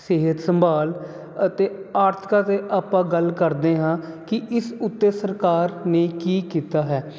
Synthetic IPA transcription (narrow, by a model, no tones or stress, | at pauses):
seːɦət̪səmbaːl | ət̪eːaːɾt̪ʰɪ̥kaːt̪eːʔaːpãːɡəlkəɾd̪eːɦãːkɪɪsʊt̪ːeːsəɾkaːɾneːkiːkiːt̪aːɦɛː